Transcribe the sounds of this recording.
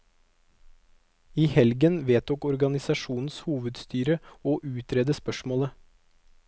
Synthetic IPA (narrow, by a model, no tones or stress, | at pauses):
iːhɛlɡənʋeːt̪ɔkɔɾɡɑnɪsɑʃuːnn̩shuːʋəd̪st̪yːɾəoːʔʉːt̪ʰɾɛd̪əspœʃmoːlə